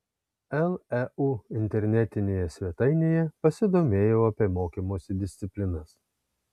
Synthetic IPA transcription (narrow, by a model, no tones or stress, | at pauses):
ɛlˠɛuɪnʲt̪ʲɛɾʲnʲɛt̪ʲɪnʲeːjɛsʲʋʲiɛt̪ɐɪnʲeːjɛpɐsʲɪd̪oːmʲeːjoːɐpʲeːmoːkʲimoːsʲɪd̪ʲɪsʲt̪sʲɪpʲlʲɪnɐs